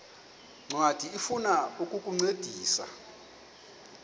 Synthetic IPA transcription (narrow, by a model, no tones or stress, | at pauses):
ŋ͡ǀwatʰiifunaukʼukʼuŋ͡ǀed̥ʱiːsa̰